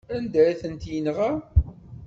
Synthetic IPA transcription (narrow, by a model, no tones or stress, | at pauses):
ænd̪æɾiθənt̪jənʁa